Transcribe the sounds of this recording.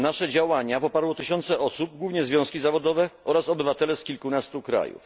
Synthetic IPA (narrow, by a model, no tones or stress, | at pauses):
naʂɛd͡ʑawaɲapɔpaɾwɔt̪ɘɕɔnt̪sɛʔɔsub̚ɡwuvɲɛzvʲjɔ̃w̃skʲizavɔd̪ɔvɛʔɔɾasɔbɘvat̪ɛlɛskʲilkunast̪ukɾa̰jṵf